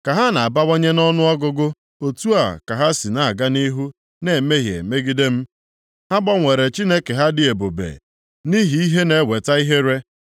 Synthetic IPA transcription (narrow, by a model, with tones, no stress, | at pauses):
ka˨ɦa˦na˨a˨ba˦wa˦ɲe˦nɔ˦nʊ˦ɔ˦ɡʊ˦ɡʊ˦ | o˨tu˦a˨ka˨ɦa˦si˨na˨a˨ɡa˦ni˦ɦu˦ | ne˨me˦ɦjḛ˨me˦ɡi˦de˦m̩˦ | ha˦ɡ͡bɔ˦ŋʷe˨ɾe˨t͡ʃi˦ne˦ke˨ɦa˦dɪ˨e˨bo˨bḛ˨ | ni˦ɦi˨i˦ɦe˦ne˨˦we˨ta˦i˦ɦe˦ɾe˦